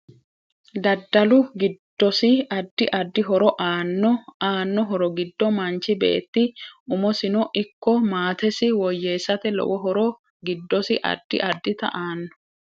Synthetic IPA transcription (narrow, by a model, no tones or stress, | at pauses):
d̪ɐd̪ːɐlʊɡɪd̪̥ːɔsɪɐd̪ːɪʔɐd̪ːɪɦɔɾɔʔaːnːɔaːnːɔɦɔɾɔɡɪd̪ːɔmɐnt͡ʃɪbḛːt̪ːɪʊmɔsɪnɔʔɪkːɔmaːt̪ɛsɪwɔjːe̞ːsɐt̪ɛlɔ̰wɔɦɔɾɔ | ɡɪd̪ːɔsɪʔɐ̰d̪ːɪ̰ʔɐd̪ːɪt̪ɐ̰ʔaːnːɔ̥